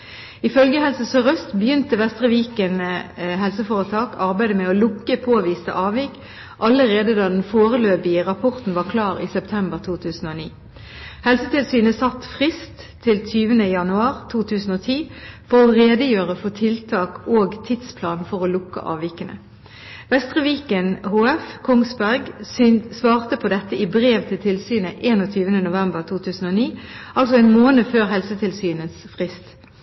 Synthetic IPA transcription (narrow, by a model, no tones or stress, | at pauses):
ɪfœlɡəhɛlsəsɔʁœst̪bəjʏnt̪əʋɛst̪ʁəʋiːkənɦɛlsəfoːʁət̪ʰɑːkʰɑʁbæɪd̪əmɛɔlʊkːəpʰoːʋiːst̪ə̰ʔɑːʋiːk | ʔɑləʁeːd̪əd̪ɑd̪ɛnfoːʁəløːpɪəʁɑpʰɔʁt̪n̩ʋɑːʁkʰlɑːʁiːsɛpt̪ʰɛmbəʁt̪ʰuːt̪ʰʉːsn̩oːnḭː | hɛlsət̪ʰɪlsyːnəsɑt̪ːfʁɪst̪ʰːɪlt̪ʰyːʋənəjɑnʉɑːʁt̪ʰuːt̪ʰʉːsn̩oːt̪ʰiːfɔʁɔʁeːd̪əjøːʁəfɔt̪ʰɪlt̪ʰɑːkoːɡt̪ʰɪd̪spʰlɑːnfɔʁolʊkːə̰ʔɑ̰ːʋɪkənə̰ | ʋɛst̪ʁəʋiːkənhoːɛfkʰɔŋsbæʁɡsʋɑːʁt̪əpʰɔd̪ɛt̪ːəɪbʁeːʋt̪ʰɪlt̪ʰɪlsyːnəʔeːnɔt̪ʰyːʋənənʊʋɛmbəʁt̪ʰuːt̪ʰʉːsn̩oːniːɑlsɔɛːnmoːnəføːʁɦɛlsət̪ʰɪlsyːnəsfʁɪst̪